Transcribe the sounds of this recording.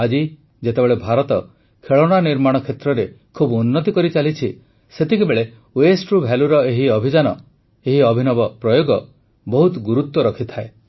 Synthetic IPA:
ad͡ʒi | d͡ʒet̪ebeɭebʱaɾɔt̪ɔ | kʰeɭɔɽ̃aniɾmaɽ̃ɔkʰet̪ɾɔɾe | kʰubunːɔt̪ikɔɾit͡ʃalit͡ʃʰi | set̪ʰikibeɭe | wesʈɾubʱaluɾɔeɦiɔbʱid͡ʒanɔ | eɦiɔbʱinɔbɔpɾɔjoɡɔ | bɔɦut̪ɡuɾut̪wɔɾɔkʰit̪ʰae

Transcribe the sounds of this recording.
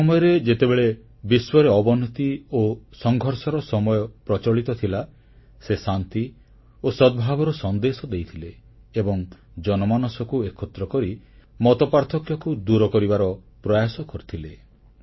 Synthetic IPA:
sɔmɔjɔɾed͡ʒet̪ebeɭe | biswɔɾeɔbɔnɔt̪iosɔŋɡʱɔɾsɔɾɔsɔmɔjɔpɾɔt͡ʃɔɭit̪ɔt̪ʰila | sesant̪i | osɔd̪̚bʱabɔɾɔsɔnd̪esɔd̪ejt̪ʰileː | bɔŋd͡ʒɔnɔmanɔsɔkuekʰɔt̪ɾɔkɔɾimɔt̪ɔpaɾt̪ʰɔkjɔkud̪uɾɔkɔɾibaɾɔ | pɾɔjasɔkɔɾit̪ʰile

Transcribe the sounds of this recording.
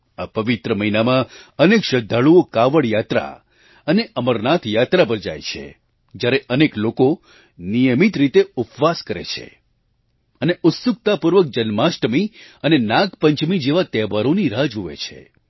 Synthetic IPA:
apəʋit̪ɾəməinamãənekʃəd̪ʱːaɭuokaʋəɽjat̪ɾa̰ | əneʔəməɾnat̪ʰjat̪ɾabʱəɾd͡ʒa̰jt͡ʃʰḛ | d͡ʒjaɾeʔənekloko | nijəmit̪ɾit̪eʊpʋaskəɾḛt͡ʃʰḛ | əneʔʊt̪sʊk̚t̪apuɾʋək̚d͡ʒənmasʈəmiənenãɡpəɲt͡ʃmid͡ʒeʋat̪ɛʋaɾoniɾad͡ʒoʋḛt͡ʃʰḛ

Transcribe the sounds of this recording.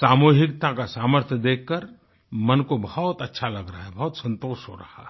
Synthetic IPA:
saːmuːɦɪkt̪akasaːməɾt̪ʰjəd̪eːkʰːəɾ | mɐnkobɐɦɔt̪ɐtːʃʰalɐɡɾaaɦɛbɐɦʊt̪sɐ̃nt̪oːʃɦo̰ɾɐhaɛ

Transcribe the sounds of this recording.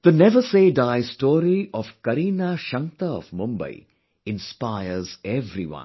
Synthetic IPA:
d̪̥ənɛʋəseːɖaɪsʈɔːɾiɔʋkɐɾiːnaʃʌ̃ŋt̪əɔ̰fmʊ̃mbə̰ɪ | ɪ̃nspaɪəɾzɛvɾḭʋʌ̰̃n

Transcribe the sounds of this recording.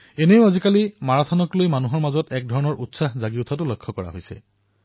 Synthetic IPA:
eneʊ̃azikalimaɹatʰɔnɔklojmanuɦɔɹmazɔtɛk̚dʱɔɹɔnɔɹʔutsaɦzaɡiutʰat̬ʊlɔkʰːɔkɔɹa̰ɦojsɛ̰

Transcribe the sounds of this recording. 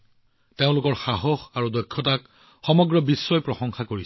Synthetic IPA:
teʊ̃lʊkɔɹxaɦɔxaɹudɔjkʰːɔtak | xɔmɔɡɹɔbisːɔjpɹɔxɔŋxakoɹi

